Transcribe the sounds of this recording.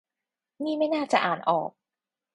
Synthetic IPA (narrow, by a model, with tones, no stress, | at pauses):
niː˥˩ma˥˩jnaː˥˩t͡ɕa˨˩ʔaː˨˩nʔɔ̰ː˨˩k̚